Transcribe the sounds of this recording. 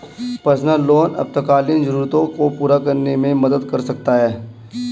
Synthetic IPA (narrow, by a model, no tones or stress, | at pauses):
pəɾsnəlːoːnɐ̰p̚t̪əkaːlind͡ʒəɾuːɾt̪õkopuːɾakɐɾnemẽmɐd̪əd̪kɐɾsɐk̚t̪aɦɛː